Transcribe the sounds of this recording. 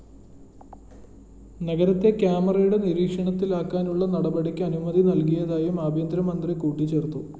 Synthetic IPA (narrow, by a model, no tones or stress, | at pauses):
nɐɣɐɾɐt̪ːe̞kʲjaːmɐrɐjuɽe̞niɾiːkʂɐɳɐt̪ːilaːkːaːnuɭːɐnɐɽɐbɐɽikʲːɨɐnumɐðʱinɐlkijɐðaːjumaːbʱjɐnd̪ɾɐmɐnd̪rikuːʈːit͡ɕe̞ːrt̪ːu